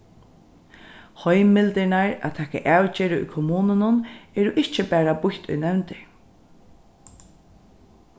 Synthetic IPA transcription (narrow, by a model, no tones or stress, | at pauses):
hɔjmɪlt̪ɪnaɹa̰t̪ʰɛːka̰ʔaːwt͡ʃeːɾɪʊ̰jkʰɔmuːnʊnʊnɛɾʊʔɪht͡ʃɪbæːɹabʊçt̪ʊ̰jnɛwnt̪ɪ